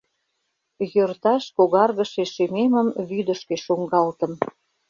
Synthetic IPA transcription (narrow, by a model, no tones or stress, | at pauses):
jørt̪ɑʃkoɣɑrɣəʃeʃememəmβyd̪əʃkeʃuŋɡɑlt̪ə̆m